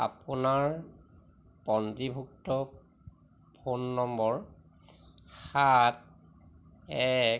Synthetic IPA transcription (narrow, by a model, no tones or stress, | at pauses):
a̰punaɹ | pɔntɹibʱuk̚tɔ | pʰonːɔmbɔɹ | xat | ɛ